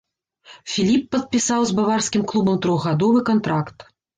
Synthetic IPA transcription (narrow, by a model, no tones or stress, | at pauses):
fʲilʲipːɐt̪̚pʲisawzbavarsʲkʲimklˠubɐmt̪ɾɔɣɣad̪ɔvɨkant̪ɾakt̪